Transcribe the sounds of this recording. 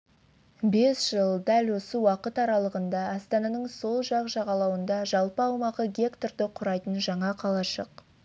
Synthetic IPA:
be̞sʒ̥əlˠd̪ælwo̞səwɑqət̪ɑɾɑlˠəʁənd̪ɑːst̪ɑnɑnəɴso̞lˠʒɑqʒɑʁɑlˠɑwənd̪ɑʒɑlˠpəɑwmɑʁəɡʲe̞kt̪ord̪ɪqʰʊɾɑjt̪ənʒɑɴɑqʰɑlˠɑʃə̰q

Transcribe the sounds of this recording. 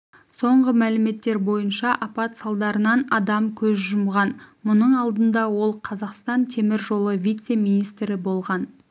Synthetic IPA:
so̞ɴʁəmælɪme̞t̪ːe̞ɾbo̞jənʃɑʔɑpɑt̪sɑlˠd̪ɑɾənɑnɑd̪ɑmkʲʰɵzʒʊmʁɑnmʊnəɴɑlˠd̪ənd̪ɑwo̞lˠqʰɑzɑqst̪ɑnt̪ʰe̞mɪɾʒo̞lˠəvʲijt̪se̞mijnijst̪ɾɪbo̞lˠʁɑn

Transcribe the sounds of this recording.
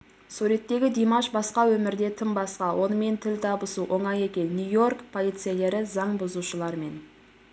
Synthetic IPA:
suɾe̞t̪ːe̞ɡʲɪd̪imɑʃbɑsqɑwɵmɪɾd̪e̞t̪ʰɪmbɑsqɑwʔo̞nəme̞nt̪ʰɪlt̪ʰɑbəsuʔo̞ɴɑje̞kʲe̞nːujo̞rkpʰo̞lˠijt̪sɨjele̞ɾɪzɑɴbʊzuʃəlˠɑɾme̞n

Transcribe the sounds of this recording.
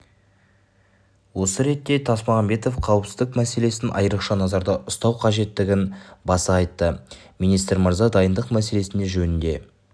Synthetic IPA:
wo̞səɾe̞t̪ːe̞t̪ʰɑsmɑʁɑmbe̞t̪o̞fqʰɑwəpsɪzd̪ɪkmæse̞le̞sɪnʔɑ̰jəɾəqʃɑnɑzɑɾd̪ɑʔʊst̪ɑwqʰɑʒe̞t̪ːɪɡʲɪnbɑsəɑjt̪ːəmijnijst̪ɾməɾzɑd̪ɑjənd̪əqmæse̞le̞sɪnd̪e̞ʒɵnɪnd̪e̞̰

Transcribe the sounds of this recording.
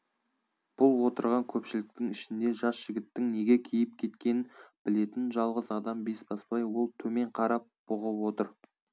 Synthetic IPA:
b̥ʊlˠwo̞t̪əɾʁɑŋkʲʰɵpʃɪlɪk̚t̪ɪŋɪʃɪnd̪e̞ʒɑsʒ̥ɪɡʲɪt̪ːɪŋne̞ɡʲe̞kʲʰijɪp̚kʲʰe̞t̪kʲe̞nɪnbɪle̞t̪ɪnʒɑlˠʁəzɑd̪ɑmbe̞sbɑspɑjwo̞lˠt̪ʰɵme̞ɴqʰɑɾɑp̚b̥ʊʁəpwo̞t̪əɾ

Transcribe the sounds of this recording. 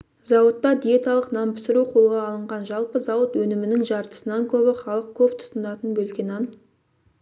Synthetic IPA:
zɑwət̪ːɑd̪ijet̪ɑlˠəqnɑmpʰɪsɪɾuqʰo̞lˠʁɑːlˠəɴʁɑnʒɑlˠpəzɑwət̪wɵnɪmɪnɪŋʒɑɾt̪ə̥sənɑŋkʲʰɵβɪχɑlˠəq̚kʲʰɵpt̪ʰʊ̥t̪ənɑt̪ənbɵlkʲe̞nɑn

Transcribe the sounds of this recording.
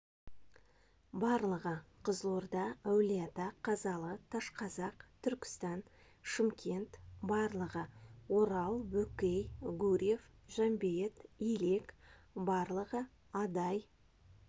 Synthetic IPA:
bɑɾlˠəʁəqʰəzlˠoɾd̪ɑæwlijat̪ɑqʰɑzɑlˠət̪ʰɑʃqʰɑzɑqt̪ʰʏɾkʲɪ̥st̪ɑn | ʃɪmkʲʰe̞nt̪bɑɾlˠəʁəwo̞ɾɑlˠwɵkʲejɡuɾʲjefʒ̥ɑmbjet̪ile̞k | bɑɾlˠəʁə | ɑd̪ɑj

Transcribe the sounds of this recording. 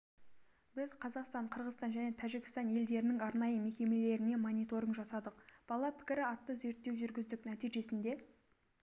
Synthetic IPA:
bɪzqʰɑzɑqst̪ɑɴqʰəɾʁəzst̪ɑnʒæne̞t̪ʰæʒɪkʲɪ̥st̪ɑnje̞ld̪e̞ɾɪnɪŋɑɾnɑjəme̞kʲe̞me̞le̞ɾɪne̞monʲijt̪o̞ɾəɴʒɑsɑd̪əqb̥ɑlˠɑpʰɪ̥kʲɪɾɪɑt̪ːəze̞ɾt̪ːe̞wʒʏɾɡʲɪzd̪ɪknæt̪iʒe̞sɪnd̪e̞

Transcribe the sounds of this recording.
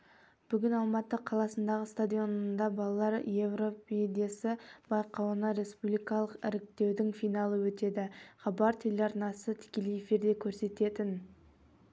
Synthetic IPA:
b̥ʏɡʲɪnɑlˠmɑt̪əqʰɑlˠɑsənd̪ɑʁəst̪ad̪ʲijo̞nənd̪ɑbɑlˠɑlˠɑɾje̞vro̞ped̪e̞sɪb̥ɑjqɑwənɑɾe̞spublijkɑlˠəqɪɾɪk̚t̪e̞wd̪ɪŋfijnɑlˠəwɵt̪e̞d̪ɪχɑbɑɾt̪ʰe̞lʲeɑɾnɑsət̪ʰɪ̥kʲe̞lejefiɾd̪e̞kʲʰɵɾse̞t̪e̞t̪ɪn

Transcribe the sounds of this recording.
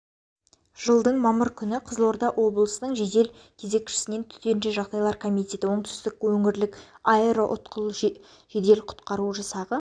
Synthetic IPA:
ʒ̥əlˠd̪əɴmɑməɾkʲʰʏnɪqʰəzlˠo̞ɾd̪ɑʔwʔo̞blˠəsənəɴʒed̪e̞l | kʲʰeze̞kʲʃɪ̥sɪne̞nt̪ʰʏ̥t̪e̞nʒeʒɑʁd̪ɑjlˠɑɾkʰo̞mijt̪ʲe̞t̪ɪwo̞ɴt̪ʰʏ̥st̪ɪk̚wɵŋɪɾlɪkɑeɾoʔʊt̪qəlˠ | ʒ̥ed̪e̞lqʰʊ̥t̪qɑɾuʒɑsɑʁə

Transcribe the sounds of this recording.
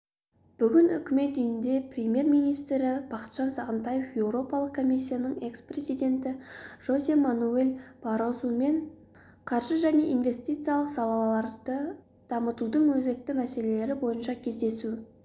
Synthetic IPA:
b̥ʏɡʲɪnʏ̰kʲɪme̞t̪̚d̪ʏjɪnd̪e̞prʲemʲje̞ɾmijnijst̪ɾɪb̥ɑqə̥t̪ʒ̥ɑnsɑʁənt̪ɑje̞fje̞wɾo̞pɑlˠəqkʰːo̞mijs̬ʲːijanəɴe̞ksprezijd̪e̞nt̪ɪʒ̥o̞zʲemanuelʲbɑɾozume̞ɴ | qʰɑɾʒəʒæne̞ʔinve̞st̪ijt̪sɨjalˠəqsɑlˠɑllˠɑɾd̪̥ə | d̪̥ɑmət̪ud̪əɴwɵze̞k̚t̪ɪmæse̞le̞le̞ɾɪbo̞jənʃɑkʲʰe̞zd̪e̞su

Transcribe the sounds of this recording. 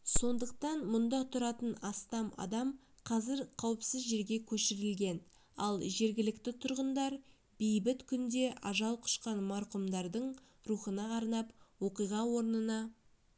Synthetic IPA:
so̞nd̪əq̚t̪ɑnmʊnd̪ɑt̪ʰʊɾɑt̪ənɑst̪ɑmɑ̰d̪ɑm | qʰɑzɪɾqʰɑwəpsɪzʒe̞ɾɡʲe̞kʲʰɵʃɪɾɪlɡʲe̞n | ɑ̰lˠʒe̞ɾɡʲɪlɪkt̪ɪt̪ʰʊɾʁənd̪ɑɾ | bejbɪt̪kʲʰʏnd̪e̞ʔɑʒɑlˠqʰʊ̥ʃqɑnmɑɾqʊmd̪ɑɾd̪əɴ | ɾuχənɑːɾnɑpwo̞qijʁɑwo̞ɾnənɑ

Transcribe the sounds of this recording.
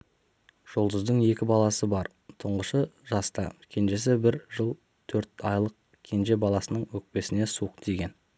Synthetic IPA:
ʒ̥olˠd̪əzd̪əɴe̞kʲɪbɑlˠɑsəbɑɾ | t̪ʰəɴʁəʃəʒɑst̪ɑ̰kʲʰe̞nʒe̞sɪbɪɾʒəlˠ | t̪ʰɵɾt̪ɑjlˠəq̚ | kʲʰe̞nʒe̞bɑlˠɑsənəɴwɵk̚pe̞sɪne̞suq̚d̪ʰe̞ɡʲe̞n

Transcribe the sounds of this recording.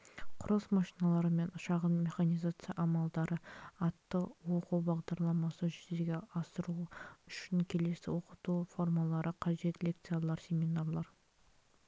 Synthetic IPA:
qʰʊɾəsmɑʃijnɑlˠɑɾəme̞nʊʃɑʁəmme̞χanijzat̪sɨja̰ʔɑmɑlˠd̪ɑɾəɑt̪ːəwo̞quwbɑʁd̪ɑɾlˠɑmɑsəʒʏzeɡʲe̞ɑsəɾuʏʃɪŋkʲʰe̞le̞sɪ̰wo̞qət̪ufo̞ɾmɑlˠɑɾʔəqʰɑʒe̞t̪le̞k̚t̪sɨjalˠɑɾsʲe̞minarlˠɑɾ

